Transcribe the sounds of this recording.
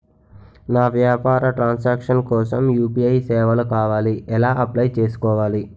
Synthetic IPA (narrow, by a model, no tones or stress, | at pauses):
naːʋjaːpaːɾɐʈɾaːnsaːkʂɐnkɔːsɐmjuːpiɐjsɛːʋɐlɐkaːʋaːliɛlaːʔɐplɐjt͡ʃe̞ːsu̥kɔːʋaːli